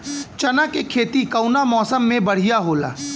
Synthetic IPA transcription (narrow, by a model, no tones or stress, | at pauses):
t͡ʃɐnakekʰeːt̪ikɐʊnamɔːsəmːẽbɐɽ̤ijaɦoːla̰ː